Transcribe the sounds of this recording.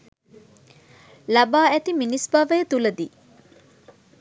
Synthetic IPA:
lɐbaːæt̪iminisbaʋɐjt̪ulɐd̪iː

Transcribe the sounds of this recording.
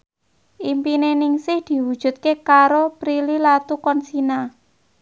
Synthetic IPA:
ʔimpinenɪŋsɪhd̪̥i̤wud̥ʒ̥ṳt̪̚kekaɾopɾililat̪ukɔnsina

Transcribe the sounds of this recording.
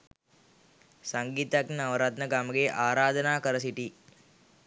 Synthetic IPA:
sɐŋɡiːt̪ɐknaʋɐɾat̪nɐɡaːmɐɡeʔaːɾaːd̪ʱɐnaːkɐɾɐs̬iʈi

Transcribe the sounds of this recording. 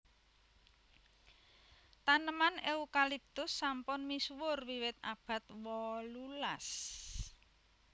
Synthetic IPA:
t̪anəmaneukalip̚t̪ʊsːampʊnmiswʊrwiwɪt̪̚a̰b̥ä̤t̪̚wɔlulas

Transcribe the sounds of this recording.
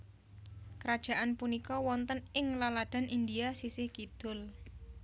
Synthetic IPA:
kəɾad̥ʒ̥a̤ʔanpunikɔwɔnt̪ənɪŋlalad̪̥a̤nʔind̪iasisɪhkid̪̥ʊ̤l

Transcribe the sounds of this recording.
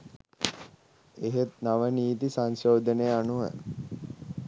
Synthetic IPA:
eɦet̪naʋəniːt̪isaŋsoːd̪ənejəanuʋə̰

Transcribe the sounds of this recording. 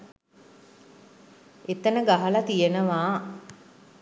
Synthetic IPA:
et̪ənəɡaɦəlat̪ijenəʋaː

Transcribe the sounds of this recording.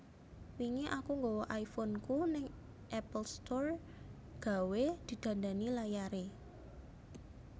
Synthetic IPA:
wiŋeʔakuŋɡowɔʔaifɔnkunɪŋ | ʔɛpəlst̪ɔr | ɡ̥a̤wed̪̥i̤d̪̥ä̤nd̪anilajaɾe

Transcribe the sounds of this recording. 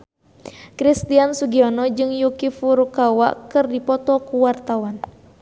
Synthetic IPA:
kɾist̪iansuɡiɔnɔd͡ʒɨŋjukifuɾukawa̰kɨrdipɔt̪ɔkuwart̪awan

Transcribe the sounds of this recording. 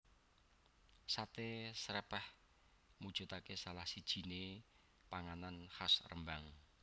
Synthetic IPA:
sat̪esɾɛpɛh | mud̥ʒ̥ṳt̪akesalahsid̥ʒ̥i̤ne | paŋananhasrə̰mbaŋ

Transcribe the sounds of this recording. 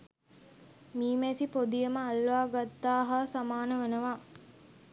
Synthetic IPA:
miːmæsipod̪ijəməalʋaːɡat̪ːaːɦasamaːnəʋenəʋaː

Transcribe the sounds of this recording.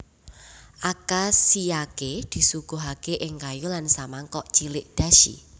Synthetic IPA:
ʔakasijaked̪̥i̤suɡ̥o̤ɦakeʔɪŋkajulansamaŋkɔʔt͡ʃilɪʔd̪̥a̤ʃḭ

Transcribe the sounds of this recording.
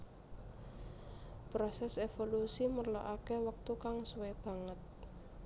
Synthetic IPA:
pɾɔsɛsefolusimərlo̰ʔakewək̚t̪ukaŋsuweb̥ä̤ŋət̪̚

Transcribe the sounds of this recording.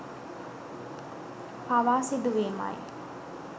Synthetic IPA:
paʋaːsid̪uʋeːma̰j

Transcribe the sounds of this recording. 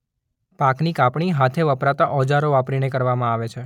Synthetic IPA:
paknikapɳ̃iɦat̪ʰeʋəpɾat̪aʔɔd͡ʒaɾoʋapɾinekəɾʋamãaʋet͡ʃʰe

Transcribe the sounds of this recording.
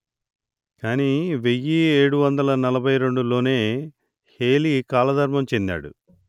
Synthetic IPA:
kaːniʋe̞jːieːɽuʋɐnd̪ɐlɐnɐlɐbʱɐjɾe̞ɳɖulo̞ːne̞ː | heːlikaːlɐd̪ʱɐɾmɐmt͡ʃe̞nd̪a̰ːɽṵ

